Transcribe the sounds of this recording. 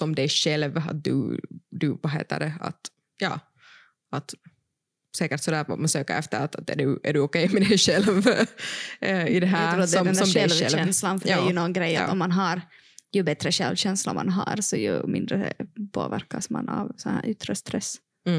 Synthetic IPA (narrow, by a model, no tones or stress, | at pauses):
sɔmd̪ɛjɕɛlva̰t̪̚d̪ʉ̰d̪ʉvaɦḛːt̪ə̰ɖɛa̰t̪ | jɑː | at̪ | sɛːkəɾʈsɔd̪æːɾfo̰mɛsøːkəɾɛft̪əɾat̪at̪̚ɛ̰ɖʉæɖʉɔkɛjmɛd̪ɛjʂɛlv | ɪd̪ɛɦæːɾʰuːt̪d̪ɔɛnd̪æd̪ɛlvɛnslanfœɾdæːjʉnɔnɡɾɛjːa̰ɔmːanɦɑɾ | jɵbɛt̪ɾəɕɛlvɕɛnsla̰ma̰nɦɑ̰ɾsɔjɵ̰mɪnd̪ɾə̰pʰo̰ːvæɾkasma̰navsɔnhæ̰ːɾʔʏt̪ːɾəst̪ɾɛs